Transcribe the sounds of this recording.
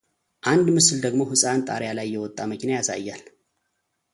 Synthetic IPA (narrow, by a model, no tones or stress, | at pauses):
ʔand̪mɨsɨld̪əɡmo̞ɦɨsʼant̪ʼa̰ɾjalajːɛwɔt̪ʼːaməkʰinajasa̰jːal